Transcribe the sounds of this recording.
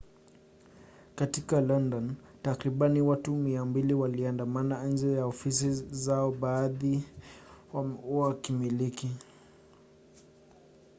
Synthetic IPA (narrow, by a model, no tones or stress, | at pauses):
katikalɔndɔn | takɾiɓaniwatumiambiliwaliandamanaand͡ʒɛjaɔfisizaɔɓaːði | wakimiliki